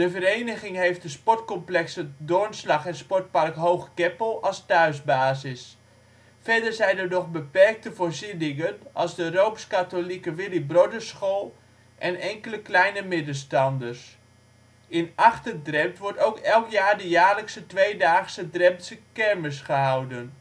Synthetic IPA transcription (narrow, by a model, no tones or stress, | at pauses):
dəvərejnəɣɪŋɦejft̚dəspɔtkɔmplɛksədʊnslɑχɛnspɔɹt̚parkɦowχɡ̥ɛpəlˠɑlˠstœɥsbaːzɪs | fɛdəɹzɛjndərdɔχbəpɛrk̚təvoːɹzidɪŋənʔɑlˠzdərowpskatolikəʋɪlibrodəsχolˠ | ʔɛnɛŋkələklɛjnəmɪdəstɑndərs | ɪnɑχtəndrɛmtʋɔɹtowkɛlˠkjaːɹdəjaːɹləksətʋejdaːχsədrɛmsəkɛrməsχəɦawdən